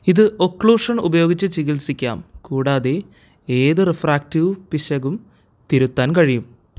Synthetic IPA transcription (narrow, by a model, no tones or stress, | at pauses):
iðɨʔokɭuːʂɐnubɐjo̞ːɡit͡ɕːɨt͡ɕiɣilsikʲːa̰ːmkuːɽaːðe | eːðɨrefraːktiʋpiɕɐɣum | t̪iɾut̪ːaːnkɐɻijum